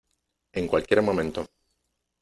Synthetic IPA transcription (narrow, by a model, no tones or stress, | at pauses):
eŋkwalkjeɾmõmẽnt̪o